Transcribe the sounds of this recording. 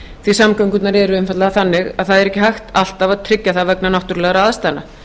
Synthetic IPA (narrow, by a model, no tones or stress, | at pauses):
θvisamkœŋkʏt̪naɾɛɾʏɛnfat̪laaθanːɪɣaðθaðɛɾɛhcɪɦajxt̪al̥t̪avaðt̪ʰɾɪcːaθavɛknanɔht̪ʏɾlɛːɣaɾaaðst̪ana